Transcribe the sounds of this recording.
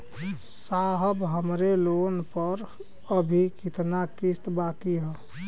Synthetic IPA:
saɦəbɦəmɾelonpəɾ | əbʱikit̪nakist̪bakiɦə

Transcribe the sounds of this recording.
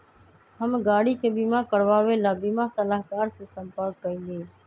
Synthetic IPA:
həmɡaːɽiːkʰeːbiːmãːkəɽʋaːʋeːlaːbiːmaːsəlaːɦkaːɾseːsəmpəɾkːəĩːleː

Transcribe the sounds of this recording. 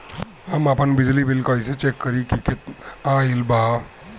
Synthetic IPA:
amapənbid͡ʒlibilkɔjset͡ʃekːəɾikikit̪ãilba

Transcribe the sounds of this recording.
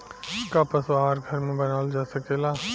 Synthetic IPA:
ɪskapɐswaːɾɡʱɐɾmẽbɐnaːld͡ʒaːsɐkelaː

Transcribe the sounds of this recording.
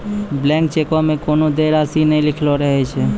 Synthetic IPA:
blɛ̃ŋk̚t͡ʃekamẽkoːnod̪eɾasinəĩlɪkʰlɔɾəɦɛt͡ʃʰɛ

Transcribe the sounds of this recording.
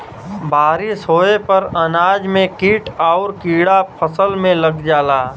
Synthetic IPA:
baːɾɪsɦoːepəɾənaːd͡ʒmẽkiːʈaʊɾkiːɽapʰəsəlmẽləɡd͡ʒaːlaː

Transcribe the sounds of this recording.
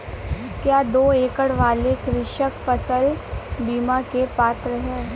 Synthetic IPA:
kjaːd̪oːeːkəɽʋaːlekɾɪʃəkfɐsəlbiːmakepaːt̪ɾəɦɛ̃

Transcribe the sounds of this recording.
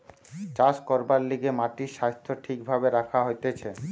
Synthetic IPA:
t͡ɕaʃkɔɾbalːiɡemaʈiʃast̪ʰːoʈʰikbʱabeɾakʰaɦojt̪et͡ɕʰe

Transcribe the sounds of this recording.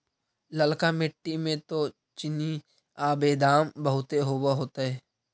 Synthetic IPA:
ləlkamɪʈːimẽt̪o | t͡ʃɪni | aːbeːd̪aːmbəɦʊt̪eɦoːwaɦoːt̪aɦɛː

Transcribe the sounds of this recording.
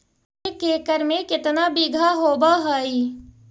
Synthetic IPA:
ekeːkəɾmẽkɪt̪nabiɡʱaɦoːbaɦəːi

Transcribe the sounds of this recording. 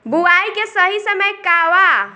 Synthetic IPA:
buajkesəɦisəməjkaʋa

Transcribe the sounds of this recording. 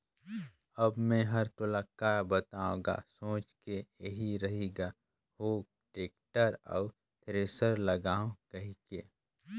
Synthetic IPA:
ɐbmẽɦɐɾt̪ʊləkːabət̪aːõɡa̰sõːt͡ʃkejeɦiɾɐɦeɡa | hoːɡ̚ | ʈeːk̚ʈəɾɔ̰ː | t̪ʰɾeːsəɾlɐɡaːõkɐɦikeː

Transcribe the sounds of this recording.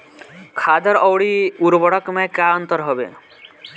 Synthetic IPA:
kʰad̪ɔɾɔwɽiuɾbɔɽɔkmakaɔnt̪ɔɾɦɔbḛ

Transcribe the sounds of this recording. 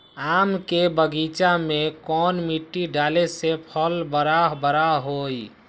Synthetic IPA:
amkebəɡit͡ʃamekɔnmiʈːiɖalesepʰəlbəɾaɦbəɾaɦoj

